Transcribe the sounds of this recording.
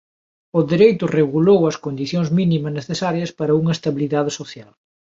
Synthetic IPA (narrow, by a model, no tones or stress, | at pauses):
ʊðeɾejt̪ʊreɣulowɐskond̪iθjõŋzminimɐzneθesaɾjɐspaɾɐuŋɐest̪aβiliðaðɪsoθjal